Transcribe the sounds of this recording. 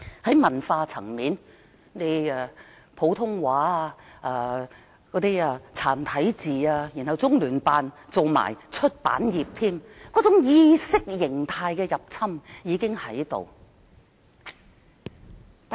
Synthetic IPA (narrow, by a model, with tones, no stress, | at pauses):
hɐ˨˥jmɐ˨˩nfaː˧t͡sʰɐ̰˨˩ŋmiː˨˥n | ne˨˧ja˧ | pʰo˨˥wt̪ʰʊ˥ŋwaː˨˥˧aː˧ | kɔː˨˥t̪iː˥aː˧t͡sʰaː˨˩nt̪ʰɐ˨˥jt͡siː˨aː˧ji˨˩nhɐ˨wt͡sʊ˥ŋlyː˨˩npaː˨nt͡so˨˧wma̰ː˨˩jt͡ʃʰɵ˥t̚pa̰ː˨˥njiː˨p̚t̪ʰiː˥mkɔː˨˥t͡sʊ˨˥ŋjiː˧sɪ˥k̚jɪ˨˩ŋt̪ʰaː˧jkɛː˧jɐ˨p̚t͡sʰɐ˥mjiː˨˧kɪ˥ŋhɐ˨˥jt̪o̰˨w | t̪